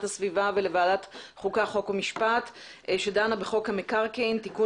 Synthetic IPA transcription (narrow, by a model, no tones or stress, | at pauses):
thasvivavele̞vaːlat̪χukaχo̞komiʃpat̪ | ʃedanabeχo̞khamekaʁkint̪iku